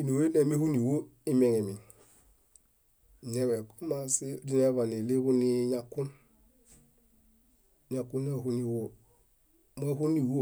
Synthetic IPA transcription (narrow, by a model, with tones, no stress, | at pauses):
i˨no˨we˦ne˨me˦hu˦ni˨wo˦i˦me˨ŋe˨mi˨n˨ | e˦we˨ku˦ma˦si˦di˦ne˦βa˨ni˨le˦ku˦ni˦ɲa˨kːu˦n | ɲa˨kːu˦n˦e˦hu˦ni˨wo˦ | me˦hu˦ni˨wo˦